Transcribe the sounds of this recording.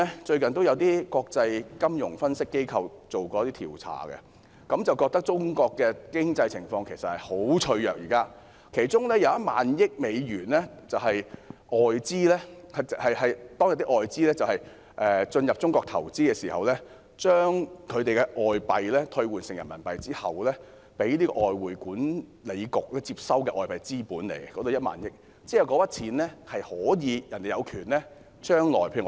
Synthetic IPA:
ɛ˥t͡ʃɵ˧ɥkɐ˨nt̪̬o˥wjɐ˨˧wt̪iː˥kɔː˧k̚t͡sɐ˧jkɐ˥mjʊ˨˩ŋfɐ˥nsɪ˥kːe˥jkʰɐ˧wt͡so˨wkɔː˧˥t̪iː˥t̪ʰḭː˨˩wt͡sʰa̰ː˨˩kɛ̰˧ | kɐ˨˥mt͡sɐ˨˩wkɔː˧k̚t̪ɐ˥k̚t͡sʊ˥ŋkɔː˧kːɛː˧kɪ˥ŋt͡sɐ˧jt͡sʰɪ˨˩ŋfɔː˧ŋkʰe˨˩sɐ˨t̚hɐ˨jho˨˥wt͡ʃʰɵ˧ɥjœː˨k̚jiː˨˩kaː˥ | kʰe˨˩jt͡ʃʊ˥ŋlɛː˥jɐ˨˧wjɐ˥t̚ma̰ː˨njɪ˥k̚me˨˧jɥyː˨˩nlɛː˥ | t͡sɐ˨whɐ˨jʔɔː˨˩jt͡siː˥lɛː˥hɐ˨hɐ˨jhɐ˨jt̪ɔː˥ŋjɐ˨˩t̪i˥ʔɔː˨jt͡siː˥lɛː˥t͡sɐ˨whɐ˨j | ʔɛː˨t͡ʃɵ˧njɐ˨p̚t͡sʊ˥ŋkɔː˧k̚t̪ʰɐ̰˨˩wt͡siː˥kɛː˧siː˨˩hɐ̰˨wlɛː˥ | t͡ʃœː˥ŋkʰɵ˨˧t̪e˨jkɛ˧ʔɔː˨jpɐ˨jlɛː˥t̪ʰɵ˧ɥwuː˨˩nsɪ˨ŋjɐ˨˩nmɐ˨˩npɐ˨jt͡siː˥hɐ˨wlɛː˥ | pe˨˥jliː˥kɔ̰˧˨ʔɔː˨jwuː˨˩jkuː˨˥nle˨˧jkʊ˨k̚lɛː˥t͡siː˧p̚sɐ˥wkɛː˧ʔɔː˨jpɐ˨jt͡siː˥puː˨˥nle˨˩jkɔː˨˥t̪o˨˧jɐ˥t̚ma̰ː˨njɪ˥k̚ | t͡siː˥ɐ˨˩wkɔ˨˧pɐ˥t̚t͡sʰiː˨˥nlɛː˥hɐ˨jhɔː˨˥jiː˨˧jɐ˨˩nt̪e˨jɐ˨˧wkʰyː˨˩nlɛː˥ | t͡ʃœː˥ŋlɔ̰ː˨˩jpʰe˧˨˩

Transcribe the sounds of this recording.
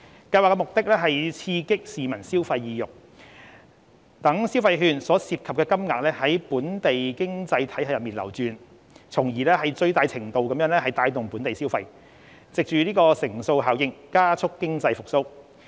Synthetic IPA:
kɐ˧jwaː˨kːɛ˧mʊ˨k̚t̪ɪ˥k̚lɛː˥ɦɐ˨jt͡sʰiː˧kɪ˥k̚siː˨mɐ˨˩nsiː˥wfɐ˧jːiː˨˧jʊ˨k̚ | t̪ɐ˨˥ŋsiː˥wfɐ˧jɦyː˧nsɔː˨˥siː˧p̚kʰɐ˨pkɛː˧kɐ˥mŋaː˨k̚lɛː˥hɐ˨˥jpuː˨˥nt̪e˨jkɪ˥ŋt͡sɐ˧jt̪ʰɐ˨˥jɦɐ˨˥jɐ˨t̚miː˨˩nlɐ̰˨˩wt͡ʃyː˨˧n | t͡sʰʊ˨˩ŋjiː˨˩lɛː˥hɐ˨jt͡sɵ˧ɥt̪aː˨jt͡sʰɪ˨˩ŋt̪o˧wkɐ˨˥mjœː˨˧˥nlɛː˥hɐ˨jt̪aː˧jt̪ʊ˨ŋpuː˨˥nt̪e˨jsiː˥wfɐ˧j | t͡sɪ˨k̚t͡ʃyː˨liː˥kɔː˧sɪ˨˩ŋso˧wɦaː˨˥wjɪ˥ŋkaː˥t͡sʰʊ˥kːɪ˥ŋt͡sɐ˧jfʊ˨k̚so˥w

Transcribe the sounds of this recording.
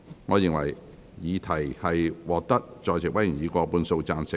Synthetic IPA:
ŋɔː˨˧jɪ˨ŋwɐ̰˨˩j | jiː˨˧t̪ʰɐ˨˩jhɐ˨jwɔː˨k̚t̪ɐ˥k̚t͡ʃɔː˨jt͡sɪ˨k̚wɐ˨˥jy˨˩njiː˨˧kʷɔː˧puː˧nso˧wt͡saː˧nsɪ˨

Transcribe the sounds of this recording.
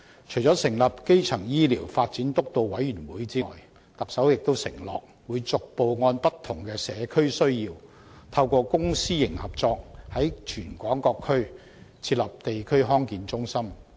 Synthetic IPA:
t͡ʃʰɵ˨˩jt͡sɔː˨˥sɪ˨˩ŋlɐ˨p̚ke˥jt͡sʰɐ˨˩ŋjiː˥liː˨˩wfaː˧t̚t͡siː˨˥nt̪ʊ˥k̚t̪o˧wwɐ˨˥jɥyː˨˩nwuː˨˥jt͡sḭː˥˨j | t̪ɐ˨˩k̚sɐ˨˥wjɪ˨k̚t̪o˥wsɪ̰˨˩ŋlɔ̰ː˨k̚ | wuː˨˧jt͡sʊ˨k̚po˨wŋɔː˧npɐ˥t̪ʰːʊ˨˩ŋkɛː˧sɛː˨˧kʰɵ˥ɥsɵ˥ɥjiː˧w | t̪ʰɐ˧wkʷɔː˧kʊ˥ŋsiː˥jɪ˨˩ŋhɐ˨p̚t͡sɔː˧k̚hɐ˨˥jt͡ʃʰyː˨˩nkʷɔː˨˥ŋkɔː˧kʰːɵ˥ɥ | t͡sʰiː˧t̚lɐ˨p̚t̪e˨jkʰɵ˥ɥɦɔː˥ŋkiː˨˧nt͡sʊ˥ŋsɐ˥m

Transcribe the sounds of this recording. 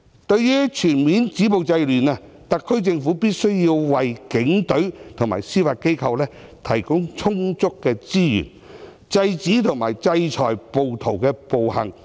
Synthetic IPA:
t̪ɵ˧ɥːyː˥t͡ʃʰyː˨˩nmiː˨˥nt͡siː˨˥po˨wt͡sɐ˧jlyː˨˩naː˧ | t̪ɐ˨kʰːɵ˥ɥt͡sɪ˧ŋfuː˨˥piː˥t̚sɵ˥ɥjiː˧wwɐ˨jkɪ˨˥ŋt̪ɵ˨˥ɥt̪ʰʊ˨˩ŋma̰ː˨˩jsiː˥faː˧t̚ke˥jkʰɐ˧wlɛː˥t̪ʰɐ˨˩jkʊ˥ŋt͡sʰʊ˥ŋt͡sʊ˥kːɛː˧t͡siː˥jy̰ː˨˩n | t͡sɐ˧jt͡siː˨˥t̪ʰʊ˨˩ŋma̰ː˨˩jt͡sɐ˧jt͡ʃʰɔː˨˩jpo˨˧wt̪ʰo˨˩wkɛː˧po˨whɐ̰˨˩ŋ

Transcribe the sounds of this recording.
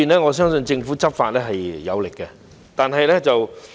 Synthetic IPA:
iː˨nlɛː˥ŋɔː˨˧s̬œː˥ŋsɵ˧nt͡sɪ˧ŋfuː˨˥t͡sɐ˥p̚faː˨n̚lɛː˥ɦɐ˨jjɐ̰˨˧wlɪ˨kːɛ˧ | t̪aː˨nɦɐ˨jlɛː˥t͡sɐ˨w

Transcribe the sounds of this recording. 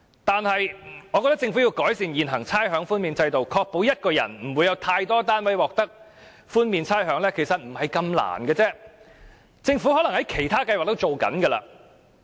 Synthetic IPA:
t̪aː˨nhɐ˨jŋɔː˨˧kɔ˧t̪ɐ˥k̚t͡sɪ˧ŋfu˨˥ji˧wkɔː˨˥jsiː˧njiː˨nɦɐ˨˩ŋt͡sʰaː˥jɦœː˨˥ŋfuː˥nmiː˨˧nt͡sɐ˧jt̪o˨wkʰɔː˧k̚po˨˥wjɐ˥t̚kɔː˧jɐ̰˨˩nm̩˨˩wu˨˧jɐ˨˧wt̪ʰaː˧jt̪ɔː˥t̪ːaː˥nwɐ˨˥jwɔː˨k̚t̪ɐ˥k̚ | fuː˥nmiː˨˧nt͡sʰaː˥jɦœː˨˥ŋlɛː˥kʰe˨˩sɐ˨t̚m̩˨˩hɐ˨jkɐ˧mla̰ː˨˩nɡɛː˧t͡sɛː˥ | t͡sɪ˧ŋfu˨˥hɔː˨˥lɐ˨˩ŋhɐ˨˥jkʰe˨˩jt̪ʰaː˥kɐ˧jwaː˨k̚t̪o˥wt͡ʃo˨wkɐ̰˨˥nɡɛ˧la̰ː˧

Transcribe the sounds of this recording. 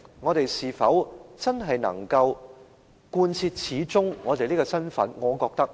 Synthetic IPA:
ŋɔː˨˧t̪e˨jsiː˨˩fɐ˨˥wt͡sɐ˥nɦɐ˨jnɐ̰˨˩ŋkɐ˧w | kuː˧nt͡sʰiː˧t̚t͡sʰiː˨˥t͡sʊ˥ŋŋɔː˨˧t̪e˨jliː˥kɔː˧sɐ˥nfɐ˨˥nŋɔː˨˧kɔː˧k̚t̪ɐ˥k̚

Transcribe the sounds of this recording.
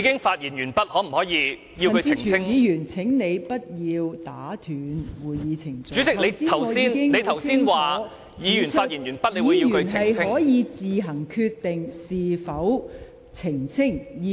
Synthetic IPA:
i˨˧kɪ˥ŋfaː˧t̚jiː˨˩njyː˨˩npɐ˥t̚hɔː˨˥m̩˨˩hɔː˨˥jiː˨˧ | ji˧wkɵ˨˧t͡sʰiː˧˨˧ɪ˥ŋjiː˨˧jyː˨˩nt͡sʰɪ˨˥ŋne˨˧jpɐ˥t̚jiː˧wt̪aː˨˥t̪ʰyː˨˧nwuː˨jːiː˨˧t͡sʰɪ˨˩ŋt͡syː˨˥t͡sɪ˥kne˨˧jiː˥t̪ʰɐ˨˩wjiː˥nɪ˥ŋne˨˧jt̪ʰɐ˨wiː˥nwaː˨˦ | jiː˧jyː˨˩naː˧t̚jiː˨˩njyː˨˩npɐ˥t̚leː˧˨wu˨˧jiː˧jkːy˨˧nʰhɪ˨ɐ˨jʰɪ˥ɔː˨˥jiː˨˧t͡siː˨ɦɐ˨˩ŋkʰy˧t̪ːɪ˨ŋsiː˨fɐ˨˥w | t͡sʰɪ˨˩ŋt͡sʰɪ˥ŋ˧

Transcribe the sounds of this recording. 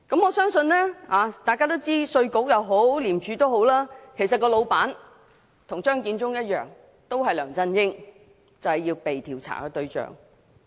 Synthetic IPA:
kɐ˨˥mɔː˨˧sœː˥ŋsɵ˧nlɛː˥aː˨˧t̪aː˨jkaː˥t̪o˥wt͡siː˥sɵ˧ɥkʊ˨˥k̚jɐ˨˧wɦo˨˥wliː˨˩mt͡ʃyː˨˧t̪o˥wɦo˨˥wlaː˥kʰe˨˩js̬ɐ˨t̚kɔː˧lo˨˧wpaː˨˥n | t̪ʰʊ˨˩ŋt͡ʃœː˥ŋkiː˧nt͡sʊ˥ŋjɐ˥t̚jœ̰ː˨ŋ | t̪o˥wɦɐ˨jlœː˨˩ŋt͡sɐ˥njɪ˥ŋ | t͡sɐ˨˩whɐ˨jiː˧wpe˨jt̪ʰiː˨˩wt͡sʰa̰ː˨˩kɛ˧t̪ɵ˧ɥt͡ʃœ̰ː˨ŋ

